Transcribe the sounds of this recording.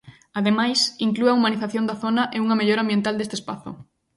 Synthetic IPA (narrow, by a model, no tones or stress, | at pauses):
aðemajsiŋkluɐumaniθaθjond̪ɐθonɐʔeuŋɐmeʎoɾãmbjent̪ald̪est̪espa̰θʊ̰